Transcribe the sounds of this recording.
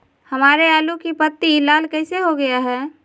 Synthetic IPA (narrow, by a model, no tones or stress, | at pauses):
həmaːɾeaːlukipət̪ːilaːlkɛɪseɦoɡəjaɦɛː